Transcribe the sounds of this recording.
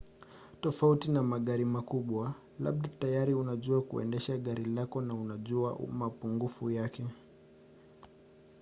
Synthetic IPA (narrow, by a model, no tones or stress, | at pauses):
tɔfautinamaɠaɾimakuɓwa | la̰ɓ̚ɗatajaɾiunaʄuakṵɛ̰ndɛʃaɠaɾilakɔnaunaʄua̰mapuŋɡufujakɛ